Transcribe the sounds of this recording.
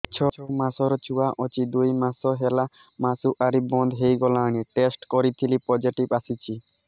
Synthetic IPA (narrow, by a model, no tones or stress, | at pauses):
t͡ʃʰɔt͡ʃʰɔmasɔɾɔt͡ʃuaʔɔt͡ʃid̪ujmasɔɦela | masuʔaɾibɔnd̪ʱɦejɡɔlaɽ̃iʈesʈkɔɾit̪ʰilipɔd͡ʒiʈibasit͡ʃʰi